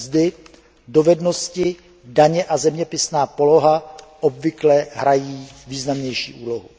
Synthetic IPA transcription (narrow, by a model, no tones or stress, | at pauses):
zdɪ | do̞vɛdno̞scɪ | daɲɛʔazɛmɲɛpɪsnaːpo̞lo̞ɦaʔobvɪklɛɦɾajiːviːznamɲɛjʃḭːʔuːlo̞ɦu